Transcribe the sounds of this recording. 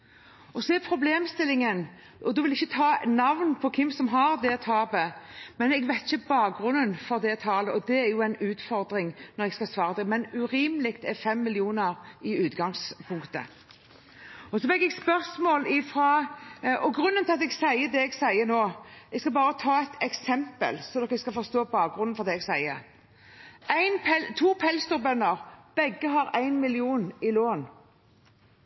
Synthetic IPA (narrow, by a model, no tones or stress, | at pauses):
ɔsɔɛɾpʰɾʊbleːmst̪ɪlːɪŋən | ʔɔd̪ɔʋɪlɛɪçːət̪ʰɑːnɑʋnpʰɔkʰɪmːsɔmɦɑɾd̪ɛt̪ʰɑːbəmɛnɛɡʋæɪt̪ːɪçəbɑːk̚ɡɾʉnːənfɔɾd̪ɛt̪ʰɑːləɔd̪ɛæɾjʊæɪnʉːt̪fɔɾd̪ɾɪŋnɔɾɛɡskɑsʋɑːʁəd̪ɛmɛnʉɾiːmlɪkt̪ɛfɛmːɪlɪuːnəɾɪʉːt̪ɡɑŋspʰʊŋkt̪ə̰ | ɔsɔbɛɡɛɡspœʁsmoːlɪfɾɑ | ɔɡɾʉnːənt̪ʰɪlɑt̪ɛɡsæɪəd̪ɛɛɡsæɪənoːʔɛɡskɑbɑːɾət̪ʰɑːɛɪt̪ʰɛksɛmpə̰lsɔmd̪ɔːkɛɡskɑlfɔʁst̪oːbɑːk̚ɡɾʉnnfɔʁd̪ɛːɛɡsæɪə | æɪnpʰɛt̪ʰuːpʰɛlst̪ɔʁbœnːəɾb̥ɛɡəɦɑɾæɪnmɪlɪuːnɪloːn